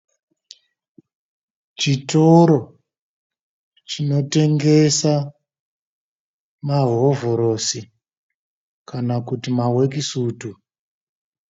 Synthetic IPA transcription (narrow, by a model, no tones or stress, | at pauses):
t͡ʃitoɾo̞ | t͡ʃino̞te̞ŋɡe̞sa | maɦovoɾo̞si | kanakutimawek̬isuːtu